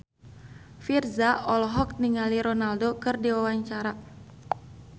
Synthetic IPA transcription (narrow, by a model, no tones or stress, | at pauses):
firzaɔlɦɔk̚niŋaliɾɔnaldokɨrdiwawaɲt͡ʃaɾa